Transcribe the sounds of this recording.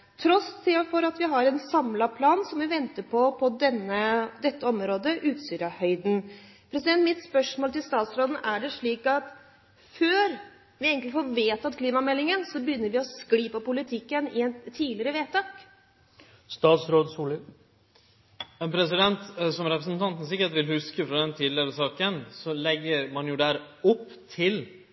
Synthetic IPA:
t̪ʰɾɔst̪ʰɪfɔɾɑt̪ʋɪɦɑɾɛnsɑmlɑpʰlɑːnsɔmʋɪʋɛnt̪əpʰɔpʰɔd̪ɛnːəd̪ɛt̪ːəɔmɾoːd̪əʔʉːt̪st̪yːɾɑhœʏd̪n̩ | pʰɾɛsɪd̪ɛnt̪mɪt̪spœʂmoːlt̪ɪlst̪ɑːt̪sɾoːd̪n̩ʔæɖɛʂɭiːkɑt̪ | føːɾ | ʋɪeːɡəŋtlɪfoːɾʋeːt̪ɑt̪̚kʰliːmɑmɛlːɪŋənsɔbəjʏnːəɾʋɪɔskliːpɔpʊlɪt̪ʰɪkːənɪɛnt̪ʰiːlɪɾəʋeːt̪ʰɑːk | st̪ɑːt̪sɾoːd̪suːlə | ɛnpʰɾɛsɪd̪ɛnt̪sɔmɾɛpɾəsnt̪ʰɑnt̪n̩sɪkːəʈʋɪlhʉskəfɾɑd̪ɛnt̪ʰiːd̪lɪəɾəsɑːkənsɔlɛɡːəɾmɑnjʊd̪æɾ | ɔpː | t̪ʰɪl

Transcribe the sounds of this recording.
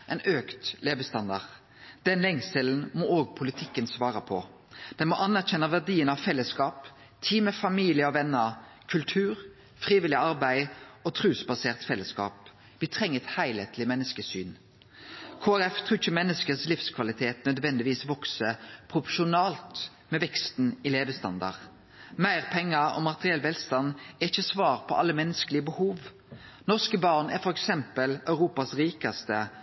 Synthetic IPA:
ʔɛɪnøːkt̪leːbəst̪ɑnd̪ɑ̰ʁ | d̪̥ɛnlɛŋsəln̩mɔoːɡ̚pʰʊlɪt̪ʰɪkːənsʋɑːɾəpʰɔ | d̪̥ɛnmɔʔɑnæʁçɛnːəʋæʁd̪iːənɑʋfɛlːəskɑːp | t̪ʰiːməfɑmiːlɪəɔʋɛnːə | kʰʉlt̪ʰʉːʁ | fʁiːʋɪlɪɑʁbæɪɔt̪ʰʁʉːsbɑseːʁt̪fɛlːəskɑ̰ːp | ʋɪt̪ʰʁɛŋːəɛt̪hæɪlheːt̪lɪmɛnːəskəsyːn | kʰoːæɾɛft̪ʰʁʉːɪçːəmɛnːəskəslɪfskʰʋɑlɪt̪ʰeːt̪nœd̪ʋɛnd̪ɪʋiːsʋɔksəpʰʁʊfɔʃʊnɑːlt̪ | mɛʋɛkst̪nɪleːʋəst̪ɑ̰nd̪ɑ̰ʁ | mæɪʁpʰɛŋːɑɔ̰mɑt̪əʁɪɛlʋɛlst̪ɑnɛʁɪçːəsʋɑːʁpʰɔʔɑ̰lːəmɛnːəskəlɪəbəhuːʋ | nɔʁskəbɑʁnæʁfɔɾɛksɛmpəlœʉʁuːpɑsɾiːkɑst̪ə

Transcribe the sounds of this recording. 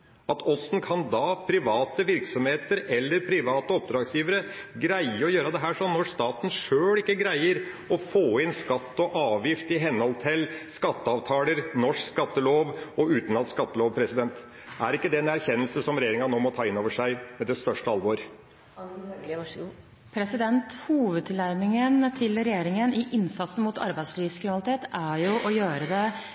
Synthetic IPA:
ɑt̪ɔsnkʰɑnd̪ɑpʰɾɪʋɑːt̪əʋɪɾksɔmheːt̪əɾɛlːəɾpʰɾɪʋɑːt̪əɔp̚d̪ɾɑːɡsjiːʋəɾə | ɡɾæɪəɔjøːɾəd̪ɛɦæːʂɔnːɔst̪ɑːt̪n̩ʂøːlɪkːəɡɾæɪəɾ | ɔfoːɪnskɑt̪ːɔʔɑːʋjɪft̪ɪɦɛnhɔlt̪ʰɪlskɑt̪ːəɑːʋt̪ʰɑːləɾnɔʂkskɑt̪ːəloːʋɔʉːt̪n̩lɑnskɑt̪ːəloːʋpʰɾɛsɪd̪ɛnt̪ | æɾɪkːəd̪ɛɛnæɾçɛnːəlsəsɔmɾɛjeːɾɪŋɑnoːmɔt̪ʰɑːɪnːoːʋəʂæɪmɛd̪ɛst̪œʂʈəɑlʋoːɾ | pʰɾɛsɪd̪ɛnt̪huːʋəd̪̚t̪ʰɪlæɾmɪŋənt̪ʰɪlɾɛjeːɾɪŋənɪʔɪnsɑt̪sən̩muːt̪ɑ̰ɾbæɪd̪sliːʋskɾɪʋɑlɪt̪ʰeːt̪æɾjʊʔɔjøːɾəd̪ɛ

